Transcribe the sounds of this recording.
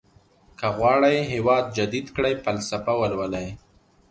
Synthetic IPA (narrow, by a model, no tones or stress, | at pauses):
kaɣwɑːɽajɦewɑːd̪̚d͡ʒad̪id̪kɽajfalsafawalwalaj